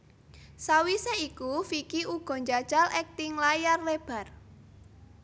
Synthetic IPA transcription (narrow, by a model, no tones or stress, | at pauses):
sawiseikufikiʔuɡ̥ɔ̤ɲd͡ʒad̥d͡ʒ̥alʔɛk̚t̪iŋlajarleb̥a̤r